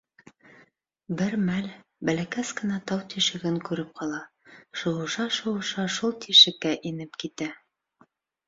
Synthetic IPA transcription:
bɘɾmæl | bælækæskɘ̆nɑt̪ɑwt̪iʃɘ̆ɡɘŋkʉɾɘp̚qɑlˠɑ | ʃŏlɤ̆ʃɑʃɤ̆ɤ̆ʃɑʃulˠt̪ʰiʃɘ̆kːæʔinɘpkit̪æ

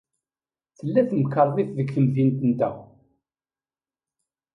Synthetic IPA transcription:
θəlːæθmkːəɾˤðˤiθðəkθəmðint̪ənt̪æ

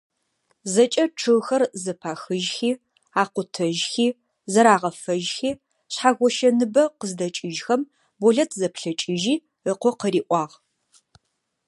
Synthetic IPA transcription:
zɐt͡ʃʼɐʈ͡ʂʰɨʁxɐrzɐpʰaːxɨʒxiː | aːqʷʊtʰɐʒxiː | zɐɾaːʁɐfɐʒxiː | ɕħaːɣʷɔʃɐnɨbɐqəzdɐt͡ʃʼɪʒxɐm | bɔɮɐtʰzɐpʰɬɐt͡ʃʼɪʒiː | əqʷɔqəɾiːʔʷʼɑːʁ

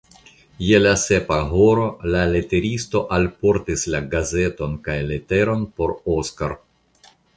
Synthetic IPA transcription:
je̞lase̞paɦo̞ɾo̞lale̞te̞ɾisto̞ʔalpo̞ɾtislaɡaze̞to̞nkajle̞te̞ɾo̞npo̞ɾoskaɾ

